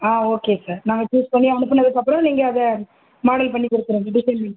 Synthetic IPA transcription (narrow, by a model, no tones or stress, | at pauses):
aːoːkeːsaːɾnamɐt͡ʃuːspɐɳːiɐʋɐnɯpːɐnːɐðɯkɐpːɯɾõːniːŋɡɐːðɐ | maːɽɐlpɐɳːikʊɽɯt̪ːɪɾẽːɐɖɪʃɐnmɪ